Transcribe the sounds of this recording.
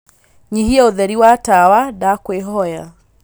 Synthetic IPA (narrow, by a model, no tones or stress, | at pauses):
ɲiɦiaoðɛɾiwatawadakweɦɔja̰